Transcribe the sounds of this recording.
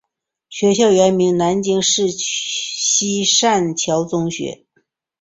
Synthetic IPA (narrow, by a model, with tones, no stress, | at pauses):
ɕɥɛ˧˥ɕjɑ˥˩ʊɥɛ˧˥nmi˧˥ŋna˧˥nt͡ɕi˥ŋʂɻ̩˥˩ | ɕi˥ʂa˥˩nt͡ɕʰjɑ˧˥ʊt͡sʊ˥ŋɕɥɛ̰˧˥